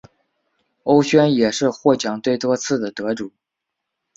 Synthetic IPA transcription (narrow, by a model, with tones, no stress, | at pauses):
o˥ʊɕɥɛ˥njɛ˨˩ʂɻ̩˥˧xwɔ˥˩t͡ɕjɑ˨˩ŋt̪we˥˩ɪt̪wɔ˥t͡sʰɹ̩˥˩d̪ə˩t̪ɤ˧˥ʈ͡ʂu˨˩˦